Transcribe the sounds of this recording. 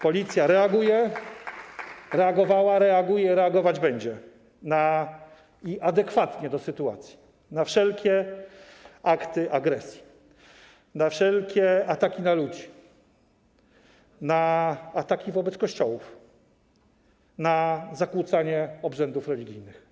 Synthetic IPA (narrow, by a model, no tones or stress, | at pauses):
pɔlʲit̪sʲjaɾɛaɡujɛ | ɾɛaɡɔvawaɾɛaɡujɛɾɛaɡɔvad͡ʑbɛɲd͡ʑɛ | na | iʔad̪ɛkfat̪ɲɛd̪ɔsɘt̪ua̰t̪sʲji̥ | nafʂɛlkʲɛ | akt̪ɘʔaɡɾɛsʲji̥ | nafʂɛlkʲɛat̪akʲinalud͡ʑi | naat̪akʲivɔbɛt̪skɔɕt͡ɕɔwuf | nazakwut̪saɲɛɔbʐɛnd̪ufɾɛlʲiɡʲijnɘx